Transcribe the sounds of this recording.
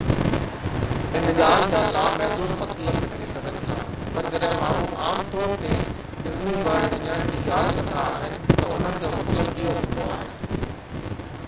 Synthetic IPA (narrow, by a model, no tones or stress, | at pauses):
ɪ̃nɪɠaːld͡ʑaːlaːmɛɦd̪uːnmɐt̪ləbɪkɐɾisɐɡʱənɪ̆t̪ʰa̰ː | pɐɾd͡ʑɐɗɦɪ̃maːɦũːmaːmt̪ɔːɾt̪e | ɗɪzmibəːɽɐɲãːd͡ʑiːɡaːlnɐnd̪ʱaːɦɪnɪ̆t̪ɐʊn̤ənɪ̆d͡ʑoːmɐt̪ləbijoɦʊ̃nd̪oaːɦɪnɪ̆